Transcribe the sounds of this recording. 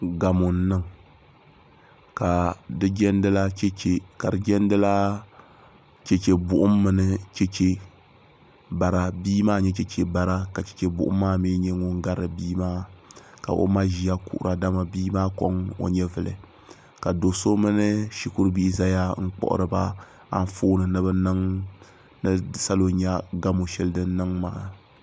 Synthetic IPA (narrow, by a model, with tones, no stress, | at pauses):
ɡa˨mʊ˨n̩˨nɨ˦ŋ | ka˨dɨ˦d͡ʒɛ˦ndɨ˦la˦t͡ʃe˦t͡ʃe˨ka˨dɨ˨d͡ʒɛ˦ndɨ˦la˦ | t͡ʃɛ˨t͡ʃe˨bʊ˨ʔʊ˦mːɨ˦nɨ˦t͡ʃɛ˦t͡ʃe˦ | ba˨ɾa˦biː˦maː˦ɲɛ˦t͡ʃɛ˦t͡ʃe˨ba˨ɾa˦ka˨t͡ʃɛ̥˨t͡ʃe˨bʊ̰˨ʔʊ̰˦mː˦aː˦miː˦ɲɛ˦ŋʊ˦ŋ˦ɡa˦ɾɨ˨biː˦maː˦ka̰˨ʔo̰˦ma˦ʒi˨ja˦kṵ˨ʔʊ̰˨ɾa˨da˦ma˨biː˦maː˦ko˦ŋo̰˨ɲɛ˦vɨ˨lɨ̰˨ | ka˨do˨so˦mɨ˦nɨ˦ʃi˦kʊ˦ɾbi˦ʔza˦ja˦ŋ̩˦k͡pɔ̰˦ʔʊ̰˦ɾɨ˦ba˦ | a̰˦n˦foː˦nɨ˨nɨ˦bɨ˦nɨ˦ŋ | nɨ˦sa˦lo˨ɲa˦ɡa˦mo˨ʃɛ˦lɨ˦dɨ˦n˦nɨ˦ŋma̰ː˨˦